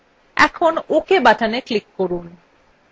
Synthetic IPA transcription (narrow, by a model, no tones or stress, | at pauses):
ɛ̰kʰonokʰebaʈʰaneklikːoɾun